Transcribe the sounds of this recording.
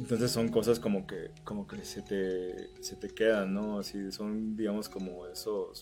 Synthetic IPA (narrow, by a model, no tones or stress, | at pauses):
ent̪o̞nsesːo̞ŋko̞sasko̞mo̞ke̞̰ko̞mo̞ke̞se̞t̪e̞se̞t̪e̞ke̞ðanːoasiso̞nd̪iɣamo̞sko̞mo̞e̞so̞s